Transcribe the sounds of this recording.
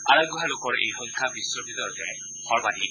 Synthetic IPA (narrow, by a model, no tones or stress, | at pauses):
aɹajɡɔɦalokɔɹḛjxɔŋkʰabiswɔbitɔɹɔtɛ | xɔɹbadi